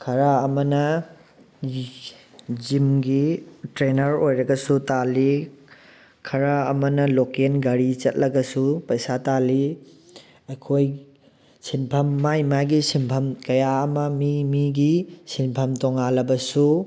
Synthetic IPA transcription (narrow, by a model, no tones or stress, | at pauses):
kʰɐɾaɐmɐnɐ | d͡ʒimɡitɾenɐɾojɾɐɡɐsutali | kʰɐɾaɐmɐnɐlokenɡɐɾit͡ʃɐt̚lɐɡɐsupɐjsatali | ɐjkʰoj | sinpʰɐmːajmaɡisimpʰɐmkɐjaɐmɐmimiɡisinpʰɐmtoŋalɐbɐsu